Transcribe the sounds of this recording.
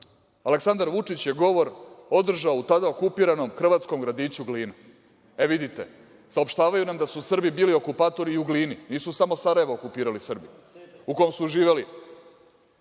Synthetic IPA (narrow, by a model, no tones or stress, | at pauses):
aleksand̪aɾʋut͡ʂit͡ɕje̞ɡo̞ʋo̞ɾo̞d̪r̩ʒaout̪ad̪aokupiːɾano̞mxr̩ʋaːt̪sko̞mɡɾad̪iːt͡ɕuɡliːna | eʋid̪it̪e̞̰ | saopʃt̪aːʋajunamd̪asusr̩bibiːlio̞kupaːt̪o̞ɾiuɡliːniniːsusamo̞saɾaje̞ʋookupiːɾalisr̩bḭ | uko̞jmsuuʒiːʋeli